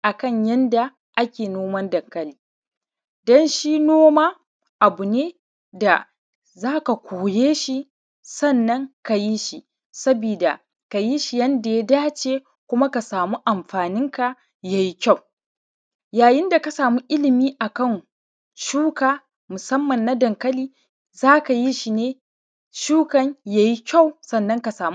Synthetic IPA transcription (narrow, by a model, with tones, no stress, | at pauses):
ʔa˨kɐ˦˨ɲjɐ˦nda˨ | ʔa˦kʲeː˨noː˦mɐ˦ndɐ˨ŋkɐ˦liː˨˦ | dɔ˦nʃiː˦noː˦maː˦ | ʔa˨bu˨neː˦ | da˨ | zaː˦ka˨kʷʰoː˨jeː˦ʃi˦ | sɐ˦˨nːɐ˦ŋka˨ji˦ʃi˦ | sɐ˦biː˨da˨ | ka˨ji˦ʃi˨jɐ˦nda˨ja˦daː˦t͡ʃeː˦ | kʷʊ˦ma˦ka˨saː˨mu˦ʔa˨mɸaː˨nɪ˦ŋka˨ | ja˦ji˦kʲa˦˨w | jaː˨jɪ˦nda˨ka˦saː˨mu˦ʔɪ˦lɪ˨miː˦ʔa˨kɐ˦˨n | ʃuː˦kaː˨ | mʊ˨sɐ˦mːɐ˨nːa˦dɐ˨ŋkɐ˦liː˦ | zaː˦ka˨ji˦ʃi˨neː˦ | ʃuː˦kɐ˦ɲja˦ji˦kʲa˦˨wsɐ˦˨nːɐ˦ŋka˨saː˨mu˦